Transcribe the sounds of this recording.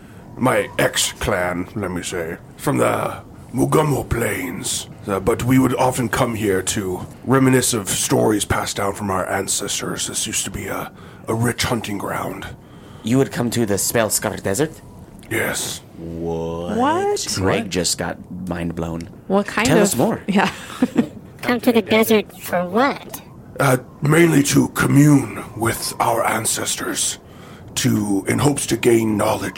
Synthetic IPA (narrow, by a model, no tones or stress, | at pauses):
maɪɛkskʰl̥æ̃nlɛt̚miseɪ | fɹʌ̃mðə | muɡɑmoʊpʰl̥ẽɪ̃nz̥bʌt̚wiwəɾɑfɨ̃nkʰʌ̃mhiɹɾɨɹɛmɨnɨsʌv̥stɔɹiz̥pʰæsd̥ãʊ̃nfɹʌ̃maʊə˞ʔæ̃nsɛstə̰˞zɨsjʉstʰəbiə | ʔəɹɪt͡ʃhʌ̃ntɪ̃ŋɡɹã̰ʊ̃nd̥ | jɨwɨd̚kʰʌ̃mtʰɨðɨspɛlˠskɑɾəʃd̥ɛzə˞t̚ | jɛs | wʌwʌ̥ɹeɪk̚d͡ʒʌsɡ̥ɑ̰t̚mãɪ̃nblõ̰ʊ̃n | wʌt̚kʰãɪ̃tʰɛlnʌsmɔɹjæ | kʰʌ̃mtʰɨðɨdɛzə˞tfə˞wʌt | mẽɪ̃nliɾəkʰɨmjʉ̃nwɪða̰ʊə˞ʔæ̃nsɛstə˞z̥ | tʰɨɨ̰̃nɦoʊpstʰɨɡẽɪ̃nːɑlˠɨ̥d͡ʒ